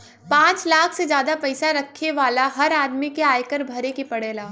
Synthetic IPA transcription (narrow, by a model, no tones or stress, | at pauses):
pãːt͡ʃlaːkʰsed͡ʒjaːd̪apɐɪsaɾɐkʰːeʋaːlaɦɐɾaːd̪mikeaːjkəɾbʱɐɾekipɐɽeːlaː